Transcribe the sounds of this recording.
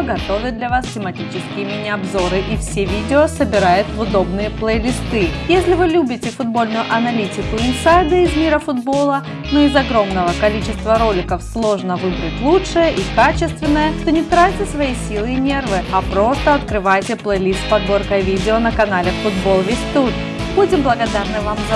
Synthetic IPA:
ɡɐt̪o̞vʲɪt̪d̪lʲɐvastʲɪmɐtʲit͡ɕɪskʲɪjɪmʲɪnʲɪɐbzo̞ɾɨʔifsʲevʲidʲɪosəbʲɪɾajʊt̪vʊd̪o̞bnɨjəplˠəjlʲist̪ɨjesʲlʲɪvɨlʲubʲɪtʲɪfʊd̪̚bo̞lʲnʊjʊʔɐnɐlʲitʲɪkʊɪnsajd̪ɨɪzmʲiɾəfʊd̪bo̞lˠə | noɪzɐɡɾo̞mnəvəkɐlʲit͡ɕɪst̪vəɾo̞lʲɪkəfslˠo̞ʐnəvɨɡɾətʲlˠutʂɨjəʔikat͡ɕɪst̪vʲɪnːəjət̪o̞nʲɪt̪ɾatʲɪsvɐjisʲilˠɨːnʲe̞rvɨɐpɾo̞st̪əɐt̪kɾɨvajtʲɪplˠəjlʲist̪̚pɐd̪bo̞rkəjvʲidʲɪonəkɐnalʲɪfʊd̪bo̞lˠvʲesʲt̪ut̪̚ | b̥udʲɪmblˠəɡɐd̪arnɨvamz

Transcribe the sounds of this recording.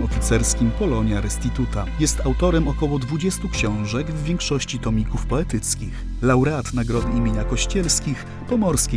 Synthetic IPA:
ɔfʲit̪sɛɾskʲimpɔlɔɲjaɾɛst̪it̪ut̪ajɛst̪awt̪ɔɾɛmɔkɔwɔd̪vud͡ʑɛst̪ukɕɔ̃w̃ʐɛɡvːʲjɛŋkʂɔɕt͡ɕit̪ɔmʲikufpɔɛt̪ɘt̪skʲix | lawɾɛat̪naɡɾɔd̪ɘimʲeɲakɔɕt͡ɕɛlskʲix | pɔmɔɾskʲe

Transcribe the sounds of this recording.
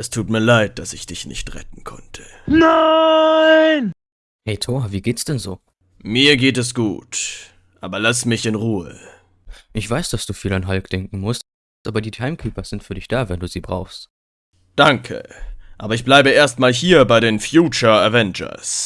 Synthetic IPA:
ʔɛstʰuːtmiːɐlaɪt̚d̥asɪçd̥ɪçnɪ̰çtʁɛ̰tn̩kʰɔ̰ntʰə̥na | ɪn | hɛɪtʰoːɐviːɡeːtsd̥ɛnzoː | miːɐɡeːtɛsɡ̥ṵːt | ʔaːbɐlasmɪçɪnʁuːə̰ | ʔɪçv̥aɪsd̥asd̥uːfiːlanɦalkd̥ɛŋk̚ŋ̩mʊst | ʔaːbɐdiːtʰaɪmkʰyːpɐz̥ɪntfyːɐɾɪçd̥aːvɛnduːziːbʁa̰ʊxst | d̥aŋkʰə̰ʔaːbɐɪçb̥laɪbəeːɐst̚maːlɦiːɐbaɪɾeːnfjuːt͡ʃɐɛvɛnd͡ʒɐ̰s

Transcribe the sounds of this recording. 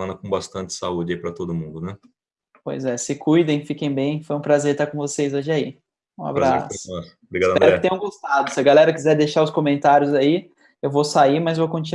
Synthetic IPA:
ɐ̃nɐkõbast̪ɐ̃nt͡ʃ̪ɪ̥saud͡ʒɪaipɾɐt̪od̪ʊmũnd̪ʊnɛ | po̰jzɛsɪkujd̪ẽj̃fikẽj̃bẽj̃fojũpɾazeɾt̪aɾkõvosejzoʒɪai | ũa̰bɾɾasʊ̥a | bɾiɡad̪ɐp̪ɛɾɪt̪ẽj̃õɡost̪ad̪ʊsɪɐɡalɛɾɐkizɛɾd̪eʃaɾʊskomẽnt̪aɾjʊzai | ewvosaimɐzevowkõt͡ʃi

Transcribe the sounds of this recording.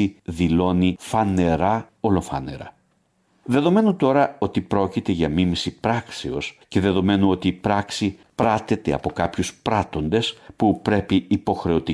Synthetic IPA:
iðilo̞nifɐne̞ɾɐo̞lo̞fɐ̰ne̞̰ɾɐ̰ | ðe̞ðo̞me̞nut̪o̞ɾɐo̞t̪ipɾo̞cit̪e̞ʝɐmimisipɾɐkseo̞sce̞ðe̞ðo̞me̞nuo̞t̪iːpɾɐksi | pɾɐt̪e̞t̪e̞ɐ̰po̞kɐpçuspɾɐt̪o̞nd̪e̞spupɾe̞piːpo̞xɾe̞o̞t̪i

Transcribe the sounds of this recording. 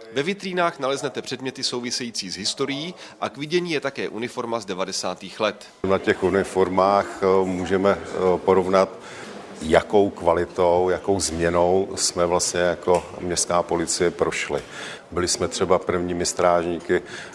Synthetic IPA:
vɛvɪt̪riːnaːxnalɛznɛt̪ɛpr̥ɛdmɲɛt̪ɪsowvɪsɛjiːt͡siːzɦɪst̪o̞ɾɪjiː | ʔakvɪɟɛɲiːjɛt̪akɛːʔunɪfo̞ɾmazdɛvadɛsaːt̪iːxlɛt̪ | mnacɛxʔunɪfoɾmaːxmuːʒɛmɛpoɾo̞vnat̪ | jako̞wkvalɪt̪owjako̞wzmɲɛno̞wsmɛvlast̪ɲɛjako̞mɲɛst̪kaːpo̞lɪt͡sɪjɛpɾo̞ʃlɪ̰ | bɪlɪsmɛt̪r̝̥ɛbapr̩vɲiːmɪst̪ɾaːʒɲiːkɪ

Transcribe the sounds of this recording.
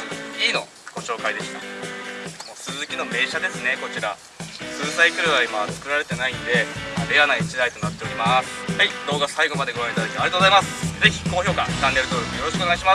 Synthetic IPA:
iːno̞ | ɡ̥o̞ɕo̞ːkaid̪e̞ɕi̥t̪a | moːsɨzɨkʲino̞me̞ːɕad̪e̞sɨne̞ko̞t͡ɕiɾa̰ | sɨːsaikɯ̟ɾɯβaimat͡sɨ̥kɯ̟ɾaɾe̞t̪e̞nainod̪e̞abeanait͡ɕid̪ait̪o̞nat̪ːe̞o̞ɾʲimasɨ̥haid̪̥o̞ːɡasaiɡo̞mad̪eɡo̞ɾãit̪ad̪akit̪eaɾet̪ozaimasɨ̥ze̞çʲi̥ko̞ːçʲo̞ːkat͡ɕãnːe̞ɾɯ̟t̪oːɾokɯ̟jo̞ɾoɕikɯoeɡaiɕima

